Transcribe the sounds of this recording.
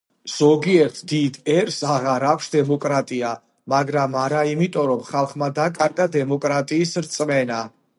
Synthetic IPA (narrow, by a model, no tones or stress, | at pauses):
z̥ɔɡiɛɾt̪ʰd̪id̪ɛɾsaʁaɾakʰʷsd̪ɛmɔkʼɾat̪ʼia | maɡɾamaɾaimit̪ʼɔɾɔmχalˠχmad̪akʼaɾɡad̪ɛmɔkʼɾat̪ʼiːsɾt̪sʼmɛna